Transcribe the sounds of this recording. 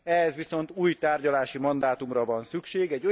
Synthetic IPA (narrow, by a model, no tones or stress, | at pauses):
ɛzʋiso̞nt̪uːjt̪aːrɟɒlaːʃimɒnd̪aːt̪umrɒvɒnsykʃeːɡɛɟːo